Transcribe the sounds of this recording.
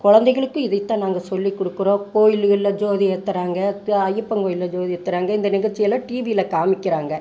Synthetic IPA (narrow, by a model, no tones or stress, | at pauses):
kɔɻɐnd̪ɐɪɣɐɭɯkːɯ̃ɪðɐɪt̪ːãːnaːŋɡɐsɔlːikːɔɽɯkːɯɾõːkoːjɪlɪlːɐd͡ʒoːðijɛt̪ːɐɾaːŋɡɐɐjːɯpːɐŋkoːjɪlːɐd͡ʒoːðɪjɛt̪ːɐɾaːŋɡɐɪnd̪ɐnɪɣɐɾt͡ʃːɪjɐlãːʈiːʋiɪlɐkaːmɪkːɪɾaːŋɡɐ